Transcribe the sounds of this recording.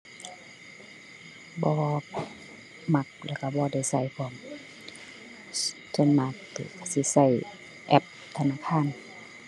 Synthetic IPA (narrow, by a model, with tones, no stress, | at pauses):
bɔː˧˦ | ma˧k̚lɛː˧˩ka˧˩bɔː˧da˧˩jsa˧˩jpʰɔː˧˨m | so˧˥˨nma˧k̚t̪ɛ̰ː˧˩ka˧˩si˧˦sa˧˩˨j | ʔɛ˧p̚ | t̪ʰa˧naː˧˨kʰaː˧˥˨n